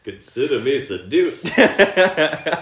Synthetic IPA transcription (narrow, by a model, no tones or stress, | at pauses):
kɨ̃nsɪɾə˞misɨdʉs